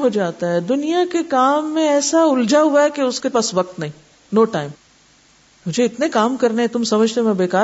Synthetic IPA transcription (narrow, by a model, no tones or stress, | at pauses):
ɦod͡ʒaːt̪aɦɛd̪ʊnijakekaːmːẽɛːsaʊld͡ʒaɦuaɦɛkeʊskepaːsʋɐk̚t̪nɐɦĩː | noːʈaːɪm | mʊd͡ʒeɪt̪nekaːmkɐɾneɦɛ̃t̪ʊmsɐməd͡ʒʱt̪eɦmẽbeːkaː